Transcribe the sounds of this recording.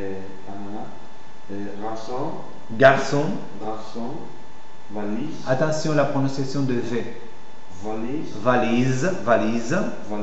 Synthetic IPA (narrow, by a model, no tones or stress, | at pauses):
amana | ʁasɔ̃ | ɡaʁsɔ̃ | ɡaʁsɔ̃ | valizat̪ɑ̃sjɔ̃lapχɔnɔ̃sjasjɔ̃d̪əvɛ̃ | vali | valizvaliz | v